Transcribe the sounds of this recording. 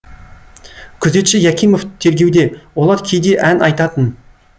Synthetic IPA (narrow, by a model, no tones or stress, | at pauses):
kʲʰʏze̞t̪ʃɪjækʲijmo̞ft̪ʰe̞ɾɡʲe̞wd̪e̞wo̞lˠɑɾkʲʰejd̪e̞ʔænʔɑjt̪ɑt̪ən